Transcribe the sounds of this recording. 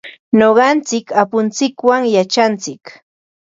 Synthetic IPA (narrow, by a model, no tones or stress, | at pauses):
noɢɑnt͡sɪkapʊnt͡sɪkwaŋjat͡ʃant͡sɪk